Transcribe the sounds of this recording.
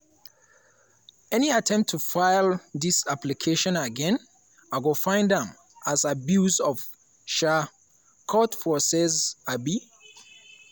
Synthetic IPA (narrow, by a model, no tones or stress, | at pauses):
ɛniatʰɛ̃mp̚tʰːufaɪlˠðisaplikʰeʃɔ̃nəɡɛ̃n | aɪɡofãɪ̃ndə̃m | azabjuzɔv̥ | ʃa | kʰɔtfɔsɛzabi